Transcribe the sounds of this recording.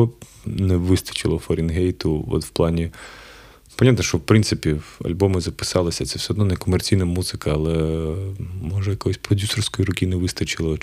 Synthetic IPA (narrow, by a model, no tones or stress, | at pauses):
ɔ | nɛʋɪst̪ɐ̥t͡ʃɪ̰lˠɔfɔɾʲinɦejt̪ʊɔ̰t̪wplˠɑnʲi | pɐnʲat̪nɐʃt͡ʃɔwpɾɪnt̪sɪpʲiɐ̰lʲbɔmɪzɐpɪ̥sɑlˠɐsʲɐt̪sɛw̥sʲɛɦɔd̪nɔnɛkɔmert͡sʲijnɐmuzɪkɐɐlˠɛ | mɔʒɛjɐkɔjɔsʲpɾɔdʲusɔrsʲkɔjiɾʊkʲinɛʋɪst̪ɐt͡ʃɪlˠɔ